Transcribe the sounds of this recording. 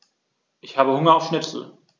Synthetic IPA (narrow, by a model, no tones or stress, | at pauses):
ʔɪçhaːbəhʊŋɐaʊfʃnɪpsl̩